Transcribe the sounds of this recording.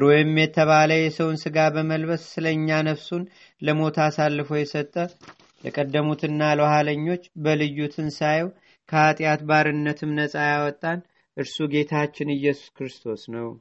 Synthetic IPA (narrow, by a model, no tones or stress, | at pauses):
ɾojɪmːjɛt̪ʰəβaləjɛsəwnsɨɡabəməlbəssɨləɨɲːanəβsun | ləmo̞t̪ʰasalːɨfo̞jɛsət̪ʼːə | ləkʼəd̪ːəmut̪ɨnːalwhaləɲːo̞t͡ʃːbəlɨjːut̪ʰɨnsajw | kʰəat̪ʼjat̪baɾɨnːət̪ʰɨmnəsʼajawɔt̪ʼːan | ʔɨɾsuɡe̞t̪ʰat͡ʃːɪnɨjːɛsu̥skɾɨst̪ʰo̞snəw